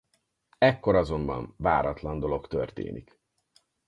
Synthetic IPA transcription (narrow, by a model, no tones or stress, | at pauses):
ɛkːo̞ɾɒzo̞mbɒ̰nva̰ːɾɒt̪lɒnd̪o̞lo̞kt̪ørt̪ḛːnik